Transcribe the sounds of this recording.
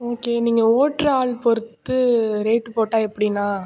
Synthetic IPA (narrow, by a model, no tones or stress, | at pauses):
oːkeːniːŋɡɐoːʈɾɐaːɭpɔɾɯt̪ːɯɾeːʈːɯpoːʈːãːɛpːɐɽɪnːaː